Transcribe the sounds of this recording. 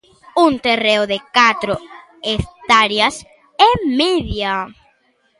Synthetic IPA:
unt̪ereʊðekat̪ɾo | est̪aɾjas | ɛmiðja

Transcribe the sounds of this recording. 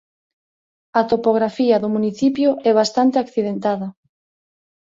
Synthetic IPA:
at̪opoɣɾafiɐðʊmuniθipjʊʔɛβ̞ast̪ant̪eakθið̞ent̪aðɐ

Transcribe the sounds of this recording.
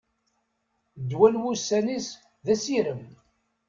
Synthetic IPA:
d̪ːwælwusːænis | ðæsiɾəm

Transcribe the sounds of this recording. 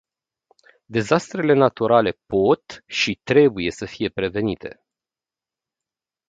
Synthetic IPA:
d̪e̞zast̪ɾe̞le̞nat̪uɾale̞po̞t̪ʃit̪ɾe̞buje̞səfije̞pɾe̞ve̞nit̪ʰe̞

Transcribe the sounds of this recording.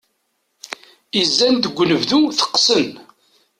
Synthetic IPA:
izːænd̪əɡʷːnəvðuθə̥qːsən

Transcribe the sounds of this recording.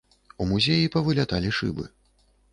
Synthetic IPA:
umuzʲejipɐvɨlʲat̪alʲiʂɨ̰bɨ̰

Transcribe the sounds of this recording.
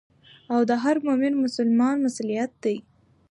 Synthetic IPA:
awd̪əɦaɾmomɪnmʊsʊlmɑnmasulijat̪̚d̪aj

